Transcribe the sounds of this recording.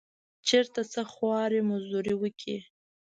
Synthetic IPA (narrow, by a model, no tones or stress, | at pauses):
t͡ʃeɾt̪at͡səxwɑɾimazd̪uɾiwəkʰḭ